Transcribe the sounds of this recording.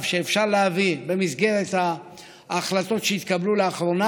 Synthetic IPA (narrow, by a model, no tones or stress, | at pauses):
vʃeːfʃaʁleavibe̞mizɡe̞ʁet̪haː | χlat̪o̞tʃeit̪kabluleaχɾo̞na